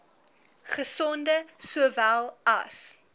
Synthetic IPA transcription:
χəsɔndəsuəvælˠɐ̰s

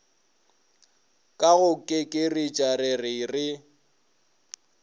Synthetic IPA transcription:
kʼaɣʊkʼɪkʼɪrɪt͡ʃʼarɪrɪrɪ

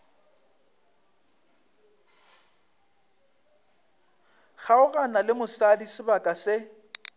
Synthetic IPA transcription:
ɣaʊɣanalɪmʊsadisɪbakʼasɪ

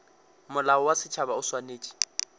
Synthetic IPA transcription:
mʊlaɔwasɪt͡ʃʰaβaʊswaneːt͡ʃʼi̥

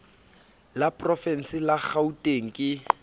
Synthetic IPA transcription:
lapʼrɔfɛn̩sɪlaχautʼeŋ̩kʼɪ

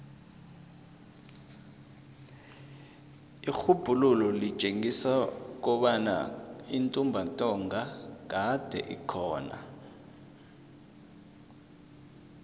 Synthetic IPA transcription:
ixub̥ʱululɔli̥t͡ʃʼeŋisak̬ɔɓana̰intʼumbʱantʼɔŋʱak̬ad̥ʱɛ̰ʔḭkʰɔːna̰

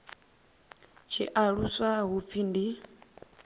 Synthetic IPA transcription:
t͡ʃʰiʔaɺusaɦup̪findi

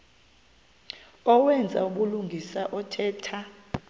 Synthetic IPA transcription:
ɔwɛnd͡zʱa̰uɓuluŋɡʱisaʔɔtʰɛːtʰa

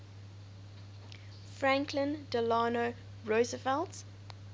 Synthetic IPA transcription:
fɹæ̃ŋkʰlə̃ndəlɑːno | ɹosəfɛlt

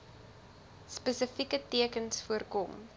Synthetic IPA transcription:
spəsəfikətiəkənsfuərkɔm

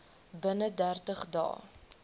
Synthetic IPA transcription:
bənədærtəχdɑ̰ː

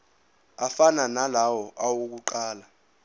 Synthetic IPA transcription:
afananalawɔʔawok̬uǃaːla

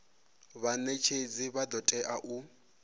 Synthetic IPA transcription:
βanet͡ʃʰed͡ziβad̪ɔtʼɛʔaʔu

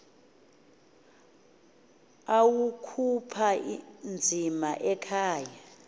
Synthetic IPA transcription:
awukʰupʰand͡zʱimaʔɛkʰaːja

